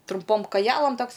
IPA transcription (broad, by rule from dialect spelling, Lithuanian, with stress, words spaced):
trʊmˈpoːm kɐˈjæːlˠɐm ˈtoːks